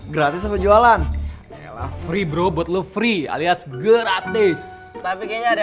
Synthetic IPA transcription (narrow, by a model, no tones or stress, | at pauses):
ɡɾat̪ɪs̬əpəd͡ʒualan | aja̰la̰fɾibɾobuɔt̪̚lofɾia̰liasɡəɾat̪ɪs | t̪apikeɲad